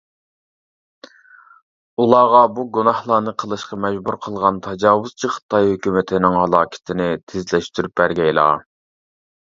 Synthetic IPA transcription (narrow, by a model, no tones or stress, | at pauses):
ulˠɑːʁɑbuɡunɑhlˠɑːnɨqʰəlˠɨʃqɑmɛd͡ʒbuɾqʰəlˠʁɑnt̪ʰɑd͡ʒɑːwʊz̥t͡ʃʰiχə̥t̪ʰɑjhøkʲymɪt̪ʰɪnɪŋhɑlˠɑːkʲʰɪ̥t̪ʰɪnɪt̪ʰɪzlɛʃt̪yɾyp̚bæɾɡʲɛjlˠɑ̰ː